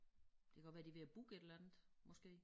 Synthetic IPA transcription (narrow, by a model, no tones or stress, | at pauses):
d̥e̝kʰæɡɒʋæːɐd̥iʋe̝æb̥uɡ̥e̝d̥lænð̩ˠmɒ̽sɡ̥e̝̰ː